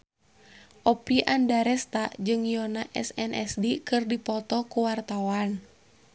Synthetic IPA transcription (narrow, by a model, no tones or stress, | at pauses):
ʔɔpiʔandaɾɛst̪aʔd͡ʒɨŋjɔnaʔɛ̰sɛnɛ̰sdikɨrdipɔt̪ɔkuwart̪awan